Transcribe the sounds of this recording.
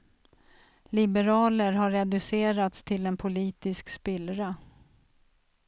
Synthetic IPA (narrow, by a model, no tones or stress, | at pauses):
lɪbɛɾɑːləɾɦaɾːɛd̪ɵseːɾat̪st̪ʰɪlɛnpʰʊliːt̪ɪskspɪlɾa